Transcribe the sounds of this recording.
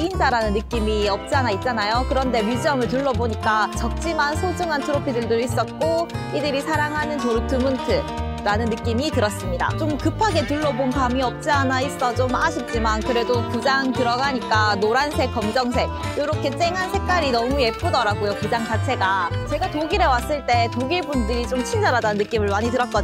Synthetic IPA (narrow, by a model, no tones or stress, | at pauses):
eind͡ʑaɾanɯnːɯk͈imiʌp̚t͡ɕ͈anait̚t͡ɕ͈anajokɯɾʌnde̞mjud͡ʑiʌmɯɭt̬uɭːʌboɲik͈at͡ɕʌk̚t͡ɕ͈imansʰod͡ʑuŋɦantʰɯɾopʰidɯɭdois͈ʌt̚k͈oidɯɾisʰaɾaŋɦanɯntoɾutʰɯmɯntʰɯ | ɾanɯnːɯk͈imitɯɾʌs͈ɯmɲida̰t͡ɕomkɯpʰaɡe̞tuɭːʌbonkamiʌp̚t͡ɕ͈anais͈ʌt͡ɕomaɕʰip̚t͡ɕ͈imankɯɾe̞dokɯd͡ʑaŋtɯɾʌɡaɲik͈anoɾansʰe̞k̚k͈ʌmd͡ʑʌŋs̬ʰe̞k̚joɾʌkʰe̞t͡ɕ͈eŋɦansʰe̞kk͈aɾinʌmuje̞pʰodʌɾaɡojokud͡ʑaŋt͡ɕat͡ɕʰe̞ɡat͡ɕe̞ɡatoɡiɾe̞was͈ɯɭt͈e̞toɡiɭbundɯɾit͡ɕomt͡ɕʰind͡ʑʌɾadannːɯk͈imɯɭmaɲitɯɾʌt̚k͈ʌd